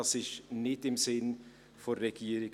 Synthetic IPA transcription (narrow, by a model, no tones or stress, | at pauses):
ɑsɪçnɪtɪmsɪn | fɔɾɛɡ̥iːɾɪɡ